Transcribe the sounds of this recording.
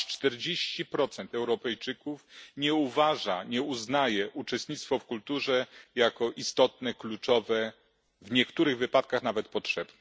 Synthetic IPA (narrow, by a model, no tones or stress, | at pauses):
t͡ʂt̪ɛɾd͡ʑeɕt͡ɕipɾɔt̪sɛnt̪ɛwɾɔpɛjt͡ʂɘkufɲɛuvaʐaɲɛuznajɛʔut͡ʂɛst̪ɲit̪st̪fɔfkult̪uʐɛjakɔʔist̪ɔt̪̚nɛklut͡ʂɔvɛ | vɲɛkt̪uɾɘɣvɘpat̪̚kaxnavɛt̪pɔtʂɛbnɛ